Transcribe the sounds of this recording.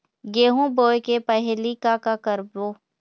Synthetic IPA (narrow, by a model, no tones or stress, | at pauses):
ɡeːɦũboːekepəɦlikakakəɾboː